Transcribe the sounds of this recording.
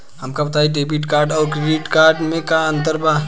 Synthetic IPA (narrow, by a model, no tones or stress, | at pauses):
ɦɐmkabɐt̪aːiɖeːbiʈkaːɾɖɔːɾkɾɪɾiːʈkaːɾɖmẽkaɐ̃nt̪̬əɾba